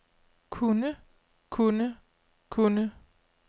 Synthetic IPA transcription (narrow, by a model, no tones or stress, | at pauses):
kʰunə | kʰunə | kʰunə